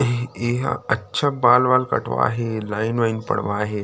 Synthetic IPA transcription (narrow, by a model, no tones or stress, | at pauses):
eɦa̰ətːɕʰabalʋalkə̰ʈʋa̰a̰ɦelainʋainpə̰ɽʋaːɦe